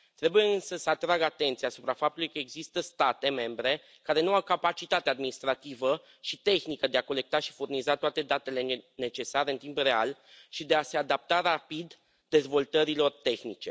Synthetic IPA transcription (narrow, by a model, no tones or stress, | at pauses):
t̪ɾe̞buje̞ɨnsəsəat̪ɾaɡat̪e̞nt̪siaːsupɾafap̚t̪ulujkəeɡzist̪əst̪at̪e̞me̞mbɾe̞ | kaɾe̞nuawkapat͡ʃit̪at̪ead̪minist̪ɾat̪ivə | ʃit̪e̞xnikəd̪e̞ako̞le̞k̚t̪aʃi̥furnizat̪oat̪e̞d̪at̪e̞le̞ne̞t͡ʃe̞saɾeɨnt̪impre̞a̰lʃid̪e̞ase̞ad̪ap̚t̪aɾapid̪ | d̪e̞zvo̞lt̪əɾilo̞rt̪e̞xnit͡ʃe̞